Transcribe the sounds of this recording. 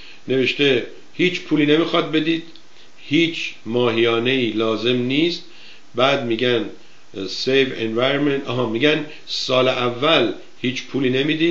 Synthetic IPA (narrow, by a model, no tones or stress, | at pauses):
ne̞ve̞ʃt̪e̞ | hiːt͡ʃpʰuːliːnemixɒːd̪̚be̞d̪iːd̪̥ | hiːt͡ʃʰmɒːɦijɒːne̞iːlɒːze̞mniːst̪̚ | bæːd̪miːɡæn | sejvenvæjɾonment̪ɒɦɒːmiːɡæn | sɒːleʔævːæl | hiːt͡ʃʰpʰuːliːne̞miːd̪i̥ː